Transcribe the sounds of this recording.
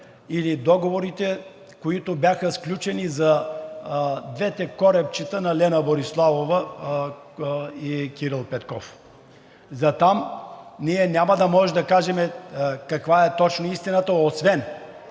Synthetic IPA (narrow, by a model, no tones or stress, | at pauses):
ilid̪ɔɡovoɾit̪ɛ | koit̪obʲjaxəsklʲut͡ʃɛnizɐ | d̪vɛt̪ɛkɔɾɛp̚t͡ʃit̪ənɐlɛnɐboɾislˠavovə | ikʲiɾilˠpɛt̪kɔf | zɐt̪amniɛnʲamɐd̪ɐmɔʒɛd̪ɐkaʒɛmɛkɐkvaɛt̪ɔt͡ʃnoist̪inət̪əosvɛn